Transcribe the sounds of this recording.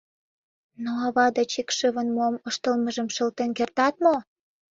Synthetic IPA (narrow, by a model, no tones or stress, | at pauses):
noɑβɑd̪et͡ɕikʃəβənmoməʃt̪əlməʒəmʃəlt̪enkert̪ɑt̪mo